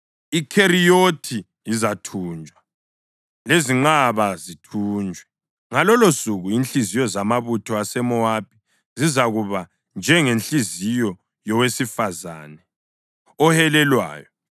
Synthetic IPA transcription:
ikʰeɾijotʰi | izatʰuːnd͡ʒʱwa | leziŋ͡ǃaβazitʰuːnd͡ʒʱwɛ | ŋalɔlosuɣuinɬizijɔzamaβutʰɔasɛmɔwapʰi̥ | zizaɣuβa | nd͡ʒʱɛŋenɬizijɔ | jɔwesifaza̰ːnɛ | ɔhɛlɛlwa̰ːjɔ

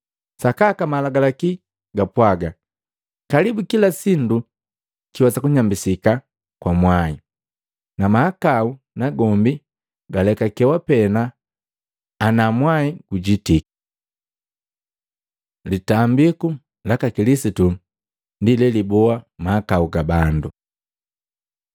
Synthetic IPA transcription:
sakakamalaɡalaki | ɡapwaɡa | kalibukilasindu | kiwasakuɲambisika | kwamwai | namahakau | naɡɔmbi | ɡalɛkakɛwapɛna | namwaiɡuɟitiki̥ | litambiku | lakakilisitu | ndilɛlibɔamahakauɡabandu

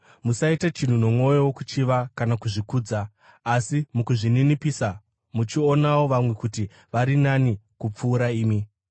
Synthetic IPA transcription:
musaitat͡ʃin̤uno̞mwo̞jowokut͡ʃiʋakanakuʐikuːd͡zaː | simukuʐininipiːsa | mut͡ʃio̞nawo̞ʋamwe̞kuti | ʋaɾinanikup͡fuːɾaiːmi

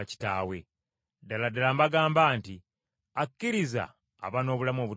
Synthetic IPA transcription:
ci̥taːwe̞ | daladalaːmbaɡaːmbaːnti | akːiɾiza̰ː | βano̞ːβulamo̞βu

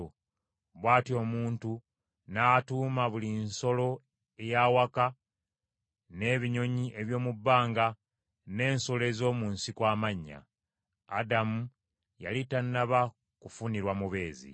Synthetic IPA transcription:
o | βwaːtio̞ːmuːntu | naːtuːmaβulinso̞lo̞ | ejawaka | ne̞ːβiɲo̞ɲiʔe̞βjo̞ːmubːaːŋɡa | ne̞ːnso̞le̞zo̞ːmunsikwaːmaɲːa̰ː | damu | ja̰litanːaβa | kufuniɾwamuβe̞ːzḭ

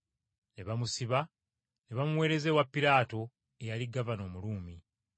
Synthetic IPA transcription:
ne̞βamusiβa | ne̞βamuwe̞ːɾe̞zewapːiɾaːto̞ | ejaliɡavano̞ːmuluːmi

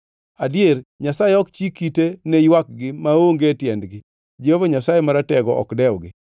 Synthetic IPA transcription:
adɪerɲasajeɔkt͡ʃikitenejwak̚ɡɪmaoŋɡetjɛndɡɪ | d͡ʒeovoɲasajemaɾatɛɡɔʔɔ̰kdɛwɡɪ

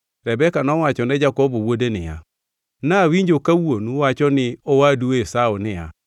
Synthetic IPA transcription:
ɾɛbɛkanɔwat͡ʃɔnɛd͡ʒakɔbowodenɪ̰ja̰ | nawiɲd͡ʒokawonuwat͡ʃɔnɪɔwaduesaonɪja

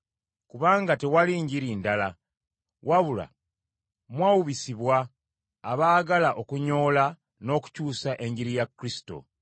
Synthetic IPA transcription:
kuβaːŋɡate̞waliːɲɟiɾiːndala | wʔaβula̰ | mwaːwuβisiβwaː | βaːɡalaʔo̞kuɲo̞ːla | no̞ːku̥cuːsaʔe̞ɲɟiɾijakːɾisi̥to̞̰

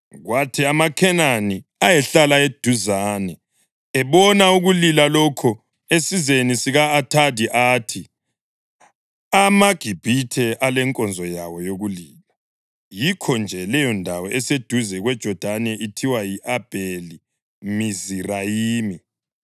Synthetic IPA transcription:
ɣwatʰiamakʰɛnaniajɛɬalaed̥ʱuzaːnɛ | ɛβɔnauɣulilalɔkʰɔ | esizenisiɣaːtʰadʱiʔaːtʰi | amaɡ̥ʱib̥ʱitʰɛʔalɛŋkʼɔnd͡zʱɔjawɔjoɣuliːla | jikʰɔnd͡ʒʱɛlɛjɔndʱawɔʔɛsed̥ʱuzɛɣwɛd̥ʒ̥ʱɔd̥ʱanɛʔitʰiwajiʔab̥ʱeli | mizirajiːmi

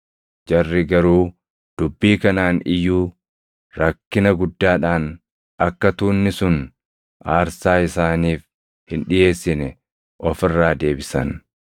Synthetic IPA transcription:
d͡ʒɐrːɪɡɐɾuː | d̪̥ʊbːiːkɐnaːnɪjːuː | ɾɐkːɪnɐɡʊd̪ːaːᶑaːn | ɐkːɐt̪uːnːɪsʊn | ʔaːɾsaːɪsaːniːf | hɪnᶑɪje̞ːsːɪnɛ | ʔɔfɪrːaːd̪e̞ːbɪsɐn

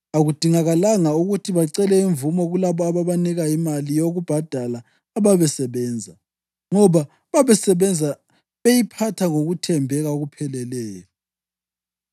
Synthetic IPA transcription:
aɣud̥ʱiŋaɣalaŋauɣutʰiβaǀɛlɛiɱvumɔɣulaβɔaβaβaniɣaimalijoɣub̥ʱad̥ʱalaː | βaβɛsɛβɛːnd͡zʱa | ŋɔβa | βaβɛsɛβɛnd͡zʱa | βejipʰatʰaŋoɣutʰɛmbʱɛɣaoɣupʰɛlɛlɛːjɔ

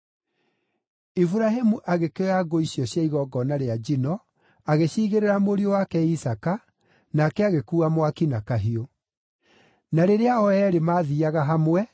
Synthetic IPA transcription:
ifuɾaɦemuʔaɣekeaɡoiɕjɔɕjaiɣɔɡɔnaɾead͡ʒinɔ | aɣeɕiːɣeɾeɾamoɾiowakɛisaka | nakɛaɣekuːamwakinakaɦio | naɾeɾeaɔɛɾemaːðiaɣaɦamwɛ

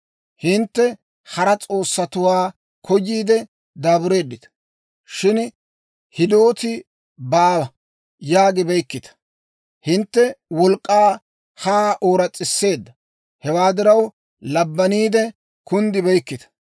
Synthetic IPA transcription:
hɪnt̪ːɛ | hɐɾɐt͡sʼo̞ːsːɐt̪ʊwaː | kʰɔjːiːd̪ɛ | d̪aːbʊɾe̞ːd̪ːɪt̪ɐ̥ | ʃɪn | hɪd̪o̞ːt̪ɪ | baːwɐ | jaːɡɪbɛjkːɪt̪ɐ̥ | hɪnt̪ːɛwɔlkʼːaː | haːʔo̞ːɾɐt͡sʼːɪsːe̞ːd̪ːɐ | hɛwaːd̪ɪɾɐw | lɐbːɐniːd̪ɛ | kʊnd̪ɪbɛjkːɪt̪ɐ̥

